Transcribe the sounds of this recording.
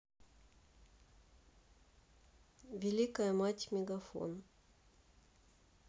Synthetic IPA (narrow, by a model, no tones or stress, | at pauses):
vʲɪlʲikəjəmatʲmʲɪɡɐfo̰n